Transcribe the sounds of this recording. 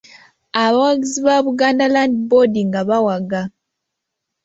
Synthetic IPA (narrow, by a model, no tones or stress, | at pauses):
aβawaɡiziβaβuɡaːndalandibodiŋɡaβawaɡa